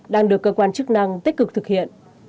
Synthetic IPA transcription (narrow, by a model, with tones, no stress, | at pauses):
ɗaː˧ŋɗɨ˨˩əkːəː˧kwaː˧nt͡ɕk̚na˧ŋt̪i˦˥kɨ˨˩k̚t̪ʰɨ˨˩k̚hḭ˧˨ən